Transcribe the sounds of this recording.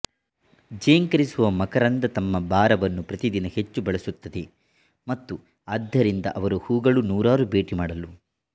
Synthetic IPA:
d͡ʒɐjɐŋkɐɾisuʋɐmɐkɐɾɐnd̪ɐt̪ɐmːɐbaːɾɐʋɐnːupɾɐt̪id̪inɐhe̞t͡ʃːubɐɭɐsut̪ːɐd̪e̞ | mɐt̪ːu | ɐd̪ːɐɾind̪ɐ̰ʔɐʋɐɾuhuːɡɐɭunuːɾaːɾube̞ːʈimaːɽɐlu

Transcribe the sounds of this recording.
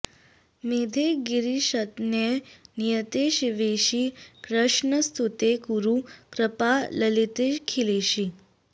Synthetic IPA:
med̪ʱeɡiɾiɕət̪njenijət̪eɕiʋeɕikɾəʂɳəst̪ʰut̪ekuɾukɾəpaləlit̪ekʰileɕi

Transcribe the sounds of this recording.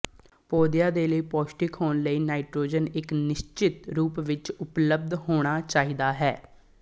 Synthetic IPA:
poːd̪ɪjaːd̪eːləiːpɔːsʈɪkɦoːnləiːnaːɪʈɾoːd͡ʒənɪknɪʃt͡ʃɪt̪ɾuːpʋɪt͡ʃʊpləb̚d̪hoːɽ̃aːt͡ʃaːiːd̪aːɦɛː

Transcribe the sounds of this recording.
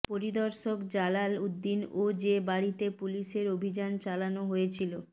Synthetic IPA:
poɾid̪ɔɾʃokd͡ʑalalud̪ːinod͡ʑebaɽit̪epuliʃeɾobʱid͡ʑant͡ɕalanoɦojet͡ɕʰilo

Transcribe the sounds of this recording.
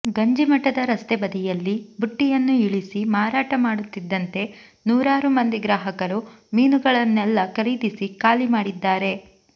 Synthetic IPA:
ɡɐɲd͡ʒimɐʈːɐd̪ɐɾɐst̪ebɐd̪ijɐlːibuʈːijɐnːuiɭisimaːɾaːʈɐmaːɽut̪ːid̪ːɐnt̪e̞ | nuːɾaːɾumɐnd̪iɡɾaːɦɐkɐɾu | miːnuɡɐɭɐnːɛlːɐkɐɾid̪isikaːlimaːɽid̪ːaːɾe̞

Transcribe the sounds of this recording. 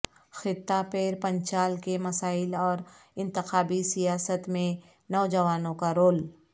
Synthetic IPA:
xɪt̪ːapeːɾpə̃ɲt͡ʃaːlkemɐsaːɪlɔːɾɪ̃nt̪ɪxaːbisijaːsət̪mẽ | nɔːd͡ʒɐʋaːnõkaɾoːl

